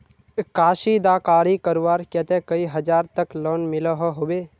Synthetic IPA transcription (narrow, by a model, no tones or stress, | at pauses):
kaːʃid̪aːkaːɾikəɾʋaːɾkɛt̪ekəiɦɐd͡ʒaːɾt̪əkloːnmɪləɦɔɦoːbeː